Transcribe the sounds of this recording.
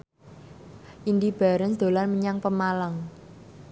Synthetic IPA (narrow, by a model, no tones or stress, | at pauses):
ʔind̪ib̥a̤ɾənsd̪̥o̤lanməɲaŋpəmalaŋ